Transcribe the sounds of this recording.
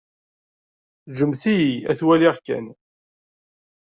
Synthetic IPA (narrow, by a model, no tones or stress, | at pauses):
ʒəmθijiæθwæliʁkæ̰n